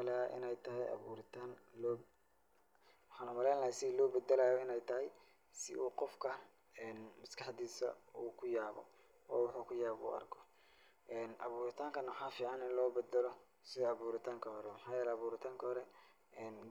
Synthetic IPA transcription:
lɛʔɪ̰nɛjt̪ʰɐɦɛjʔɐ̰βṵːɾɪt̪ʰaːnlɔː | wħɑːnʊmɐlɛːnlɐɦɛsɪlɔːbɛd̪ɛlaːjɔɪnɛjt̪ʰɐɦɛj | sɪʔuːqɔfkʰɐ | ɛːnmɐskʰɑħd̪iːsɐ̰uːkʰʊjaːβɔ̰ | waːwʊħuːkʰʊjaːβṵːɐ̰rkʰɔ̥ | ʔɛːnʔɑ̰βuːɾɪt̪ʰaːŋkʰɐnmɐħɑːfiːʕɑnɪnlɔːbɛd̪ɐlɔ | sɪðɔɑβuːɾɪt̪ʰaːŋkʰɐɦɔɾɛmɑħɑːjɛːlɛɑβuːɾɪt̪ʰaːŋkʰɐɦhɔɾɛ | ɛːn

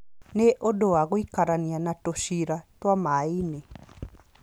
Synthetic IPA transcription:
neʔodoaɣoikaɾanianatoʃiɾatwamaine

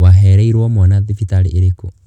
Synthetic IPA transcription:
waɦɛɾɛiɾwɔmwanaðifit̪aɾieɾeko

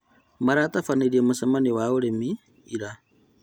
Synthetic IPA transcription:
maɾaːtafaniɾiemusamaniwauɾemiː | ɾa

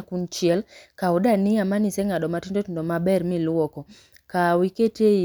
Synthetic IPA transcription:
kunt͡ʃɪɛlkaʊdanɪamanisɛŋaɗɔmatindotindomabɛɾmilwɔkɔ | kawikete

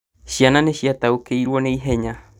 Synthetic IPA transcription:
ʃianãneɕiat̪aukeiɾuoneiɦeɲa

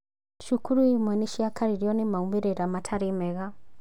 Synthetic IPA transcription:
ʃukuɾuimwɛniʃiakaɾiɾiɔnimaumbiɾɛɾamatʰaɾimɛɣa

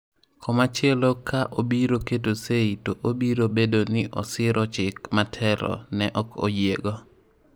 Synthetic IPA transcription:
kʰɔmat͡ʃɪelokʰaʔobiɾoketoseitoʔobiɾobedonɪʔɔsɪɾʔɔt͡ʃɪkmatʰɛɾɔ̰nɛʔɔko̰jjeɡo

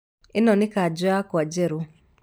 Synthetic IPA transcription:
ɪnɔnɪkad͡ʒɔakɔad͡ʒɛɾo

